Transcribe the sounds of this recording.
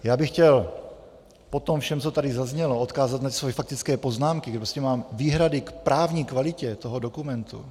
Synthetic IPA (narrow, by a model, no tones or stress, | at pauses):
jaːbɪxcɛl | po̞t̪omfʃɛmt͡sot̪adɪzazɲɛloʔot̪kaːzat̪nat̪isvojɛfak̚t̪ɪt͡skɛːpo̞znaːmkɪɡɛpɾoscɛmaːmviːɦɾadɪkpɾʔaːvɲiːkvalɪcɛt̪oɦodo̞kumɛnt̪ṵ